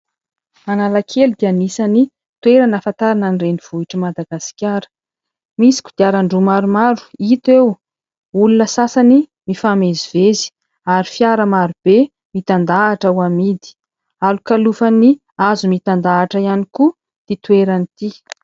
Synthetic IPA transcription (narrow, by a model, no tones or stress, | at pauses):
analakʰelud̪ianisani | t̪weɾanafant̪aɾananireniv̥uiʈ͡ʂəmad̪aɡasi̥kʲaɾə̥ | misi̥kʲud̪̥eaɾaɳɖ͡ʐumaɾumaɾu̥it̪ew | ulunəsasani | mifamezivezi̥ | aɾifiaɾəmaɾub̥e | mit̪and̪aːʈ͡ʂawamid̪i̥ | alukalufani | azumit̪and̪aːʈ͡ʂəianiku | d̪̥it̪ueɾanit̪i